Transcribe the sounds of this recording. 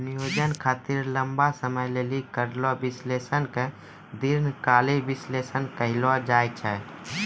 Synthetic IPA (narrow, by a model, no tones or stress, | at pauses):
nijoːd͡ʒənkʰaːt̪iɾləmbasəməjleːlikəɾlɔbɪsleːsənke | d̪iɾnkaːlebɪslesənkəɦɪlɔd͡ʒaːjt͡ʃʰɛ